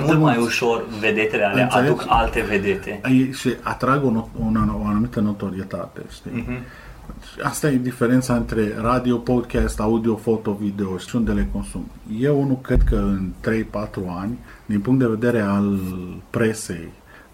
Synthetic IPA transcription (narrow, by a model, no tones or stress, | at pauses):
mulmmajuʃo̞rve̞d̪e̞t̪elealɨenʔ̪seleukalt̪e̞ved̪et̪e̞jeʃiat̪ɾaɡoonaoanumit̪əno̞t̪o̞ɾie̞t̪a̰t̪e̞̰ʃt̪i | ʃiast̪aje̞d̪ife̞ɾe̞nt̪saɨnt̪ɾe̞ɾad̪io̞pod̪kast̪aud̪io̞fo̞t̪o̞vid̪e̞oʃi̥sunt̪d̪ele̞ko̞nsum | je̞wunukɾe̞d̪̚kəɨnt̪ɾe̞jpat̪ɾuanʲd̪inpuŋkt̪̚d̪eve̞d̪e̞ɾe̞alpɾe̞se̞̰j